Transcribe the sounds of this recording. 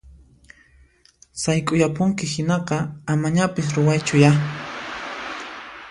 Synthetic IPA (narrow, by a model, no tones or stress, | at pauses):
sajkʼʊjapʊŋkɪhɪnɑqɑamaɲapɪs̬ɾʊwajt͡ʃʊja